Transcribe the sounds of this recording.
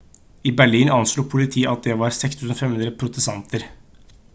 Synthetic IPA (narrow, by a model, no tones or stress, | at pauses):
ɪbæɭiːnʔɑnsluːpʰʊlɪt̪ʰiːəʔɑt̪̚d̪ɛʋɑɾsɛkst̪ʰʉːsn̩oːfɛmhʉnɾəpʰɾʊt̪əst̪ɑnt̪ʰəɾ